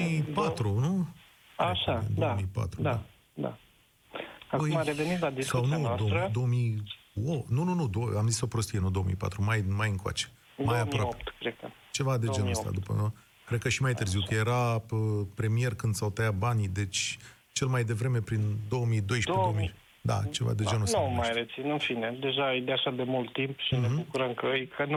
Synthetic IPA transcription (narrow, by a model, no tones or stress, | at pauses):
ipat̪ɾunu | aʃad̪d̪aomipa̰t̪ɾud̪a | d̪a̰ | akəjmaɾevenit̪lad̪issawnud̪od̪o̞wəmi | onununud̪oamziso̞pɾo̞st̪ije̞nud̪oomḭpa̰t̪ɾumajmajɨŋkoa̰t͡ʃe̥ | majapɾoapoept̪kɾed̪̚kə | t͡ʃe̞vad̪ed͡ʒenəst̪a̰d̪upə̰ | kɾed̪̚kəʃimajt̪ɨrziwkəje̞ɾaəpɾe̞mie̞rkɨnd̪sawt̪əjabanid̪e̞t͡ʃʲ | t͡ʃe̞lmajd̪e̞vɾeme̞pɾind̪o̞wəmid̪o̞jʃdped̪omi | d̪a̰t͡ʃe̞va̰d̪ed͡ʒenəsnt̪numajɾet̪sinɨnfine̞d̪e̞ʒad̪eaʃad̪e̞mult̪ːimpʃinebukuɾəmkəəjkʰən